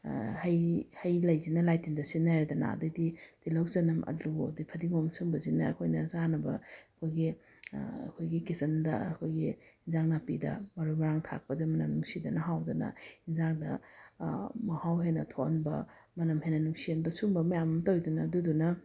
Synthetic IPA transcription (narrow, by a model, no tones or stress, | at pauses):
hɐjhɐjlɐjzinɐlajtindɐsinːajɾidɐna̰dɐdid̥ilawzɐnɐmʔɐ̰luo̰dipʰɐdiŋomsuŋbɐzinɐɐ̰kʰojnɐzanɐbɐ̰ɐkʰojɡi | ɐ̰kʰojɡikisɐndɐ̰ɐ̰kʰojɡiinzaŋnapidɐ̰mɐɾumɐɾaŋtʰa̰k̚pɐdimɐnɐmnuŋsidɐnɐɦawdɐnɐ̰hinzaŋdɐ̰ | mɐhawɦenɐtʰonbɐ̰ | mɐnɐmɦenɐnuŋsienbɐsuŋbɐmɐjamɐmtɐwjdunɐdudunɐ